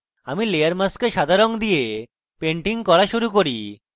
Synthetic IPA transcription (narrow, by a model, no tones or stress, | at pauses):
amilejaɾmaskeʃad̪ʱaɾoŋd̪ije | peɳʈiŋkɔɾaʃuɾukoɾi